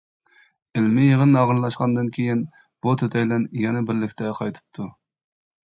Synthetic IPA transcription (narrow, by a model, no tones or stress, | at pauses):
ɪlmɪjeʁənːɑʁənlˠɑʃqɑnd̪ɨnkʲʰejin | b̥ut̪ʰøt̪ʰɛjlɛnjɛnɛbɪɾlɪkʲt̪ʰɛqʰɑjt̪ʰɨ̥p̚t̪ʰu